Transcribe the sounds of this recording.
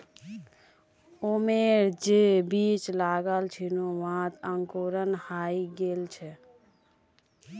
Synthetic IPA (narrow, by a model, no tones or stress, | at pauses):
omeɾd͡ʒebit͡ʃlaɡəlt͡ʃʰinoʋɦãt̪əŋkoɾənhaiɡelt͡ʃʰɛ